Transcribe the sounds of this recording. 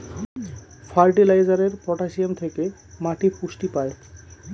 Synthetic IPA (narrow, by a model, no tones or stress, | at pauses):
fʰaɾʈilajzaɾeɾpɔʈasiomt̪ʰeke | maʈipusʈipae